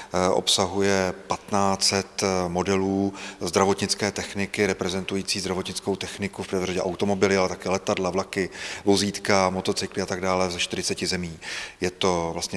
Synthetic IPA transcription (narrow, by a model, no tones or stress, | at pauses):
ʔo̞̰psaɦujɛpat̪naːt͡sɛt̪mo̞dɛluːzd̪ɾavo̞t̪ɲɪt͡skɛːt̪ɛxnɪkɪɾɛpɾɛzɛnt̪ujiːt͡siːzd̪ɾavo̞t̪ɲɪt͡sko̞wt̪ɛxnɪkufprɛvraɟɛʔawt̪o̞mo̞bɪlɪalɛt̪akɛlɛt̪adlavlakɪvoziːt̪kamo̞t̪o̞t͡sɪklɪat̪aɡ̚daːlɛzɛʃt̪ɪɾɪt͡sɛcɪzɛmiːjɛt̪o̞vlast̪ɲɛ